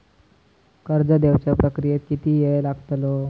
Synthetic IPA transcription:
kəɾd͡zəd̪eʋt͡ɕjapɾəkɾijet̪kit̪iːjelaɡt̪lo

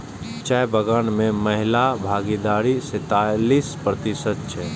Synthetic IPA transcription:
t͡ʃɛjbəɡənmeməɦɪlabʱaɡid̪aɾiset̪alispɾət̪isət̪̚t͡ʃʰɛ

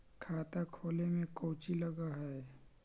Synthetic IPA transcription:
kʰaːt̪akʰoːlemẽkowt͡ʃiləɡaɦɛ

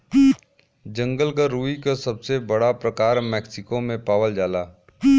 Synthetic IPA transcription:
d͡ʒə̃ŋɡəlkaɾuːikasɐbsebəɽapɾɐkaːɾmɛːksɪkomẽpaːʋəld͡ʒaːlaː

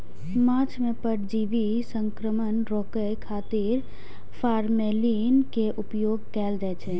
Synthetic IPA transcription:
mãt͡ʃmẽpəɾd͡ʒiʋi | səŋkɾəmənɾɔːkəjkʰaːt̪iɾ | pʰaːɾmelinkeʔupjoːɡkɛːld͡ʒaɛt͡ʃʰɛ

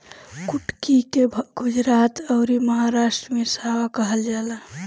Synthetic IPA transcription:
kuʈkikeɡud͡ʒɾat̪əɾiməɦaɾaʃʈɾəmesawakəɦəld͡ʒala

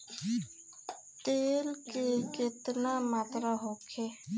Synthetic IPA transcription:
t̪elkeket̪namaːt̪ɾaɦokʰe

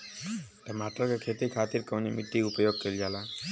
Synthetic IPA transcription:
ʈəmaːʈəlkekʰet̪ikʰaːt̪iɾkəwnimɪʈ̪ːiʊpjoɡ̚keld͡ʒaːla

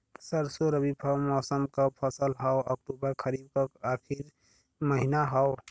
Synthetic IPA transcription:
səɾsoɾəbibʱəmɔːsəmkapʰəsəlɦɔwək̚ʈubəɾkʰəɾib̚kaaːkʰiɾ | məɦinaɦɔw

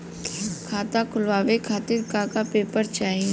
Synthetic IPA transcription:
kʰaːt̪akʰʊlʋaːʋekʰaːt̪ɪɾkaːkapeːpəɾt͡ʃaːɦĩ

